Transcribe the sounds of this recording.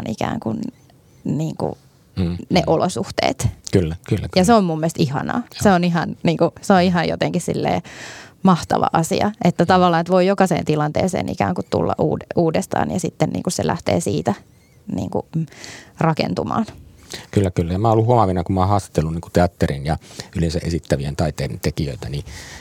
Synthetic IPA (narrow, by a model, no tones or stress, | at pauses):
nʔikæ̰ːŋkun | niːŋkṵ | neʔolosuht̪ḛːt̪kylːækylːæjɑseommumːiest̪ihɑ̰nɑ̰ːseoniɦɑnniːŋkuseoiɦɑjjo̰t̪eŋkissilːḛːmɑht̪ɑʋɑ̰ʔɑsḭɑʔet̪ːæt̪ɑʋɑlːɑːnet̪ʋoijokɑsḛːnt̪ilɑnt̪ḛːsḛːnʔḭkæːŋkut̪t̪ṵlːɑʔuːduːdest̪ɑ̰ːnjɑsit̪ːennḭːŋkusselʔæ̰ht̪ḛːsiːt̪æ | nḭːŋkṵ | rɑkḛnt̪umɑ̰ːnkylːækylːæjɑmæːolːuhuɑmɑʋinɑkummɑˑhɑːst̪ɑ̥t̪ːelːuniːŋku̥t̪eɑt̪ːerinjɑylensæʔesit̪ːæʋient̪ɑit̪ˑeːdent̪ekiøit̪æni